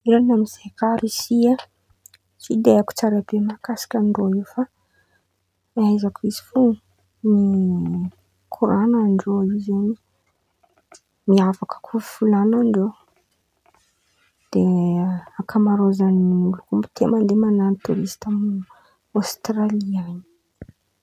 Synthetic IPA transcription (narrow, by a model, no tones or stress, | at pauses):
iɾanamiz̥ekaɾisia | sid̪eaku̥t͡saɾebemakasi̥kʲanɖ͡ʐoifa | ajzakuizi̥fu | ni | kʰuɾanaɳɖ͡ʐoizeni | miavakə̥kʰufulanaɳɖ͡ʐo | d̪̥e | akʰamaɾozanimulukumbu̥t̪emand̪emananit̪uɾist̪am | ost̪ɾaliaɲi̥